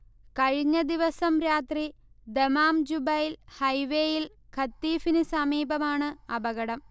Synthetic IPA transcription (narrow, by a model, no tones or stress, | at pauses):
kɐɻiɲːɐd̪iʋɐsɐmɾaːt̪rid̪emaːmd͡ʑubɐjilhɐjʋeːjil | kʰɐt̪ːiːfinɨsɐmiːbɐmaːɳɨɐbɐɣɐɽɐm